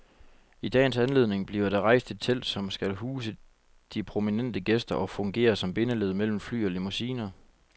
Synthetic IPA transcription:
id̥ɛ̰ːnsænle̝ð̞̰ˠne̝ŋb̥liɐɐɾ̥ɑ̈ʁɑ̈ɪsd̥e̝d̥̚t͡sʰel̰d̥sɒ̽msɡ̥ælɦuːsə | d̥ipʰʁo̝minen̰d̥əɡ̥esd̥ɐʔɒ̽fɔ̽ŋɡ̥e̝̰ːɐsɒ̽mb̥e̝nəle̝ð̞̰ˠmel̰m̩fly̰ːɒ̽lemusiːnɐ

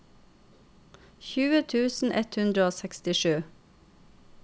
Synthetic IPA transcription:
çʉːət̪ʰʉːsn̩ʔɛt̪hʉnd̪ɾəoːsɛkst̪ɪʃʉː

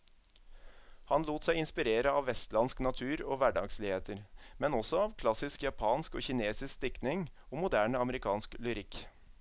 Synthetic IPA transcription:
hɑnluːt̪sæɪɪnspɪɾeːɾəɑːʋʋɛst̪lɑnsknɑt̪ʰʉːɾoːʋæɖɑ̰ːɡsliːheːt̪ʰəɾmɛnɔsɔɑːʋkʰlɑsɪskjɑpʰɑːnsko̰ːçɪneːsɪskst̪ɪknɪŋoːmʊd̪æːɳəɑməɾɪkʰɑːnsklʏɾɪk

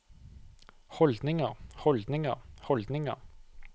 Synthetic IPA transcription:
hɔld̪nɪŋəʁhɔld̪nɪŋəʁhɔld̪nɪŋə̰ʁ

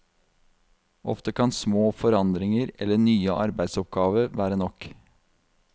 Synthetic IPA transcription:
ʔɔ̰ft̪əkʰɑnsmoːfɔɾɑnd̪ɾɪŋəɾɛ̰lːəɳyːəʔɑɾbæɪd̪sɔp̚ɡɑːʋəɾʋæːɾənɔk

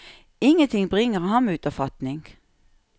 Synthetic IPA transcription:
ɪŋːənt̪ʰɪŋbʁɪŋəʁhɑnmʉːt̪ɔfɑt̪nɪŋɡ̥

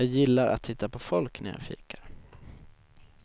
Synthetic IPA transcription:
ɑːɡjɪlːaɾʔa̰t̪ʰːɪt̪ːapʰɔfɔlknæja̰ːfḭːkḁɾ

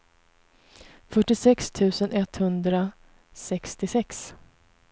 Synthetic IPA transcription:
fœʈːɪsɛkst̪ʰʉ̟ːsənɛt̪hɵnd̪ɾa | sɛkst̪ɪsɛks

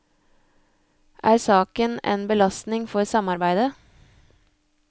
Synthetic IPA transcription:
ʔæːɾsɑːkənḛːnbəlɑst̪nɪŋfɔɾsɑmɑɾbæɪd̪ə

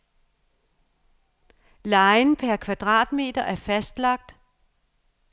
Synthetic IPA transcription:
lɑ̈ɪnpʰæɐkʰʋɑ̈d̥ʁɑ̰̈ːd̥me̝̰ːd̥ɐʔæɐfæsd̥lɑ̈ɡ̥̚d̥

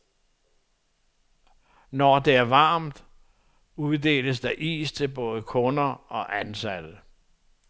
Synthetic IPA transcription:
nɒd̥e̝æɐʋɑ̈ːmd̥ | uð̞ˠd̥e̝̰ːləs̬d̥ɑ̈ʔḭːst͡sʰe̝lb̥ɔ̽ːð̞ˠəkʰɔ̽nɐɒ̽ʔænsæl

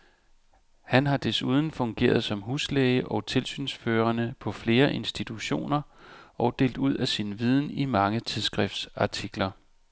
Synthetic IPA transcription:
hænɦɑ̈d̥e̝suːð̞ˠn̩fɔ̽ŋɡ̥e̝̰ːɐð̞̩ˠsɒ̽mɦuːsleɪəʔɒ̽t͡sʰe̝lsy̰ːnsføːɐnəpʰɒ̽fle̝ːɐʔe̝nsd̥it͡sʰuɕo̝̰ːnɐʔɒ̽ʊd̥e̝̰ːld̥uð̞̰ˠæsinʋið̞ˠn̩imɑ̈ŋət͡sʰiðˠsɡ̥ʁɛfd̥sɑ̈t͡sʰiɡ̥lɐ

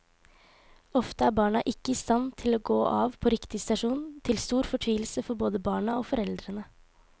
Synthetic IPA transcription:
ɔft̪əæːɾbɑːɳɑʔɪkːəɪst̪ɑnt̪ʰɪloːɡoːʔɑ̰ːʋpʰɔɾɪkt̪ɪst̪ɑʂuːnt̪ʰɪlst̪uːɾfɔʈʰʋiːl̩səfɔɾboːd̪əbɑːɳɑoːfɔɾɛld̪ɾənə

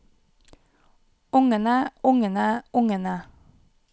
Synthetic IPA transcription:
ʊŋənəʊŋənəʔʊŋənə

